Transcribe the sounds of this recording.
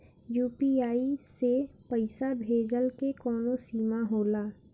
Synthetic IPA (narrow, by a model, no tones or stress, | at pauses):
juːpiaːisepəɪsabʱeːd͡ʒəlkekɔːnosiːmaɦoːlaː